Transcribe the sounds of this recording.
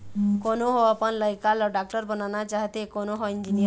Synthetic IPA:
konoɦoəpənləjkalɔɖak̚ʈəɾbənanat͡ʃaɦt̪ekonoɦoind͡ʒinij

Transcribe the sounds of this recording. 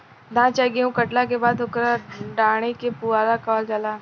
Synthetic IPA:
d̪ãːt͡ʃaɡeũkəʈlakebaːd̪ʊkɾaɖaːɽ̃ekepuaɾakɔːld͡ʒaːlaː

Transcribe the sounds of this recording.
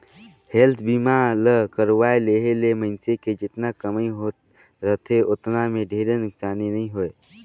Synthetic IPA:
helt̪ʰbiːmaləkəɾʋaːeleɦelemənseked͡ʒɪt̪nakəmiɦo | ɾət̪ʰeʊt̪namẽɖʱeːɾenʊksaːninəĩɦoe

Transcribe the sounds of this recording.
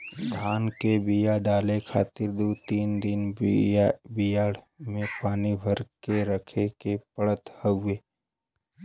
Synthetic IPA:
d̪ʱaːnkebijaɖaːlekʰaːt̪ɪɾd̪ut̪iːnd̪ɪnabijaːɽ | mẽpaːnibʱəɾkeɾəkʰekepəɽət̪həʊeː

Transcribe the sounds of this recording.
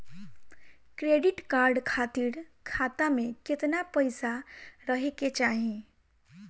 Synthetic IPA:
kɾeɖiʈkaɾɖkʰat̪iɾkʰat̪ameket̪napəjsaɾəɦeket͡ʃaɦĩ

